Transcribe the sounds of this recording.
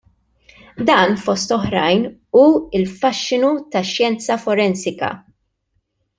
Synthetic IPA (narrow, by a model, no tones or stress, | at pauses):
d̪ɐːnfɔst̪ɔħɾɐjnuːɪlfɐʃːɪnut̪ɐʃjɛnt͡sɐfɔɾɛnsɪkɐ̰